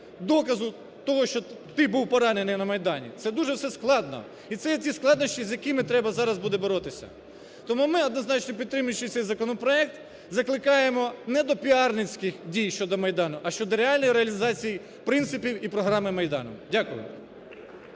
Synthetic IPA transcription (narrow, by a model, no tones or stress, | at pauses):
d̪ɔkɐzʊ | t̪ɔɦɔʃt͡ʃɔt̪ɪbuwpɔɾɑnenɪjwnɐmɐjd̪ɑnʲḭt̪sɛd̪uʒɛwsɛsklˠɑd̪nɔ̰ | it̪sɛjɛtʲisklˠɑd̪nɔsʲtʲizʲjɐkɪmɪt̪ɾɛbɐzɑɾɐzbud̪ɛboɾɔt̪ɪsʲɐ̰ | t̪ɔmumɪɔd̪nɔznɑt͡ʃnɔpʲit̪t̪ːɾɪmʊjʊt͡ʃːɪt̪sɛjzɐkɔnɔpɾɔɛk̚t̪ | zɐklˠɪkɑjemɔnɛd̪ɔpʲiɑrnɪt͡sʲkɪxdʲijʃt͡ʃɔd̪ɔmɐjd̪ɑnʊʔɐʃt͡ʃɔd̪ɔɾeɑlʲnɔjɾeɐlʲizɑt͡sʲiji | pɾɪnt̪sɪpʲiwipɾɔɦɾɑmɪmɐjd̪ɑ̰nɔ̰mdʲakʊjʊ̰